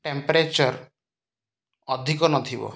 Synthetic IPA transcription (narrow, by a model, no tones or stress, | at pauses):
ʈempɔɾet͡ʃɔɾ | ɔd̪ʱikɔnɔt̪ʰibɔ̰